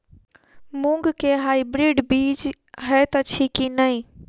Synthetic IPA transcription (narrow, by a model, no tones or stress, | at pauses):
mũŋɡkeɦaːibɾiːɖbiːd͡ʒ | ɦɛt̪ət͡ʃʰikinəĩ